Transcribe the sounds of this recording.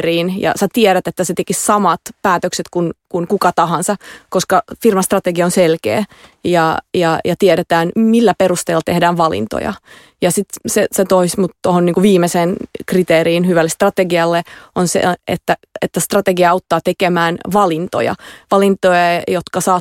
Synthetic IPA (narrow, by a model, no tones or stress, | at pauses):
riːnjɑ̰sæt̪iɛɾæt̪et̪ːæset̪ekissɑmɑt̪pæːt̪økset̪kunkunkukɑt̪ɑhɑnsɑkoskɑfirmɑst̪rɑt̪eɡiɑonselkḛːjɑjɑjɑt̪iɛɾet̪æːnmilːæperust̪eːlːɑt̪ehdæːʋʋɑlḭnt̪o̰jɑ̰ | jɑsit̪seset̪oismut̪t̪ohoniːŋkuʋʋiːmeseːnkrit̪eːɾiːnhyʋælːest̪rɑt̪eɡiɑlːeonsḛḛt̪ːæ | et̪ːæst̪rɑt̪eɡiɑɑut̪ːɑːt̪ekemæːnʋɑlint̪o̰jɑ̰ʋɑlint̪ojɑjot̪kɑsɑː